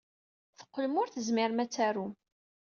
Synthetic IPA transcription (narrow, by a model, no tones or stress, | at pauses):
θə̥qːəlmʊɾθəzmɪɾmæt͡sːæɾum